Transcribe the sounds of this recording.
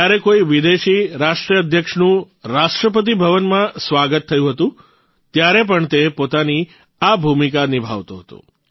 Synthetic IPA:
aɾekoiʋid̪eʃiɾaʃʈɾiəəd̪ʱjəkʃnũ | ɾaʂʈɾəp̬ət̪̬ibʱəʋənmãsʋaɡət̪ʰːəjũɦət̪ũ | t̪jaɾep̬əɳt̪epot̪ani | abʱumikanibʱa̰ʋt̪oɦət̪ṵ̃

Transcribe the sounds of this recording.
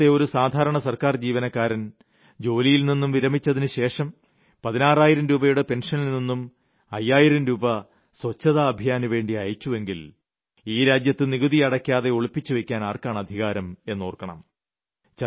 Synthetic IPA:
eo̞ɾusaːd̪ʱaːɾɐɳɐsɐrkaːrd͡ʑiːʋɐnɐkːaːɾɐn | d͡ʑo̞ːlijilninːumʋiɾɐmit͡ɕːɐðinɨɕe̞ːʂɐm | pɐðinaːraːjiɾɐmɾuːbɐjuɽepe̞nʂɐnilninːum | ɐjːaːjiɾɐmɾuːbɐ | sʋɐt͡ɕːɐðaːbʱijaːnuʋe̞ːɳɖiɐjɐt͡ɕːuʋe̞ŋɡil | iːɾaːd͡ʑjɐt̪ːɨniɣuðiɐɽɐkʲːaːðe̞oɭupːit͡ɕːuʋekʲːaːnaːrkaːɳɐd̪ʱiɣaːɾɐme̞nːoːrkɐɳɐ̰m | t͡ɕɐ

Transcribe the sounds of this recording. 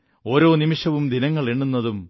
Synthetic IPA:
o̞ːɾo̞ːnimiʂɐʋumd̪inɐŋːɐɭeɳːunːɐðum

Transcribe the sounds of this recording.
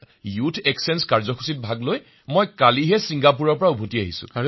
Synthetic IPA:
jutʰɛksɛnskaɹzɔkʰu̥sit̚bʱaɡloj | mojkaliɦɛsiŋɡap̬uɹɔɹpɔɹaubʱotiaɦisʊ̰̃a

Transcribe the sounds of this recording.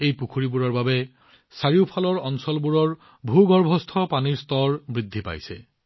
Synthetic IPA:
ejpukʰuɹibuɹɔɹbabɛ | saɹiʊpʰalɔɹɔnsɔlbuɹɔɹ | bʱuɡɔɹbʱɔst̪ʰɔpaniɹst̪ɔɹbɹid̪ʱːipa̰jsɛ̰

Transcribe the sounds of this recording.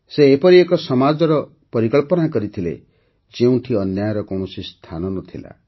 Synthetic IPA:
seːpɔɾiekɔsɔmad͡ʒɔɾɔ | pɔɾikɔɭpɔnakɔɾit̪ʰilḛ | d͡ʒeũʈʰiɔnjajɔɾɔkɔw̃ɔsist̪ʰanɔnɔt̪ʰila̰

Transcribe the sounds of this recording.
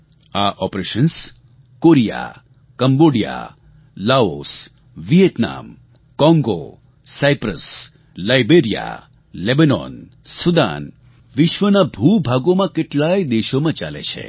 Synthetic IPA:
aʔɔpɾeʃəns | koɾija̰ | kəmboɖija̰ | laos | ʋijet̪na̰m | kɔ̃ŋɡo̰ | sajpɾəs | lajbeɾija̰ | lebanɔ̰n | sud̪a̰n | ʋiʃʋənabʱubʱaɡomãkeʈlajd̪eʃomãt͡ʃa̰lḛt͡ʃʰḛ

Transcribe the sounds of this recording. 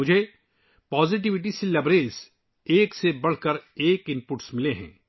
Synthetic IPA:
mʊd͡ʒʱe | pɔːzɪʈ̬ɪʋɪʈ̬iselɐbɾeːs | eːksebɐɽ̤kəɾeːkɪ̃mpʊʈsmɪleɦɛ̰̃ː

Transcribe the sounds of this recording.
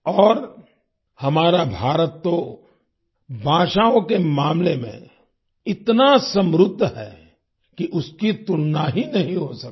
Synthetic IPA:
ɔːɾ | hɐmaːɾabʱaːɾət̪ːo | bʱãːʃaːõkemaːmlemḛ̃ | ɪt̪nasɐ̃mɾʊd̪ʱːɦɛ̰ː | kiʔʊskit̪ʊlnaɦinɐɦĩɦosɐkː

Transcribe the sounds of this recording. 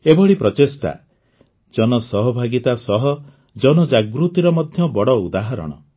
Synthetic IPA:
ebɔɽipɾɔt̪est̪a̰ | d͡ʒɔnɔsɔɦɔbʱaɡit̪asɔɦɔ | d͡ʒɔnɔd͡ʒaɡɾut̪iɾɔmɔd̪ʱjɔbɔɽɔud̪aɦaɾɔ̰ɽ̃ɔ̰

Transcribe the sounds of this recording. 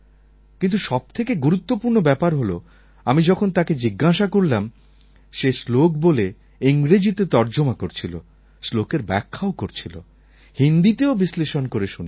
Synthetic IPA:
kint̪uʃɔb̚t̪ʰekeɡuɾut̪ːopuɾnobɛpaɾɦolo | amid͡ʑɔkʰont̪aked͡ʑiɡːaʃakoɾlam | ʃeslokbole | iŋɾed͡ʑit̪et̪ɔɾd͡ʑomakoɾt͡ɕʰilo̰ | slokeɾbɛkʰːaokoɾt͡ɕʰilo̰ | hind̪it̪eobisleʃonkoɾeʃun

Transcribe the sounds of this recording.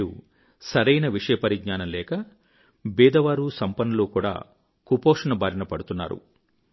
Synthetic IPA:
ṵ | sɐɾɐjnɐʋiʂɐjɐpɐɾiɡ̚ɲaːnɐmlɛːkɐ | bɛːd̪ɐʋaːɾusɐmpɐnɐloːkuːɽa̰ː | kupoːkʂɐnɐbaːɾinɐpɐɽut̪unːa̰ːɾṵ

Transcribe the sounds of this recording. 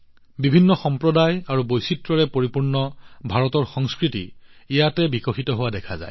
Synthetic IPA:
bibʱinːɔxɔmpɹɔdajaɹubojsitɹɔɹɛpoɹipuɹnɔbʱaɹɔtɔɹxɔŋskɹitḭijatɛbikɔxitɔɦʊwadɛkʰa̰za̰j

